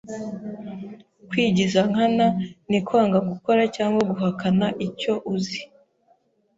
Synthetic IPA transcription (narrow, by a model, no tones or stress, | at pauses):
kwiːɟizaŋ̥ananikwaːŋɡaɡuko̞ɾacaːŋɡwaɡuɦakanaʔico̞ʔuzi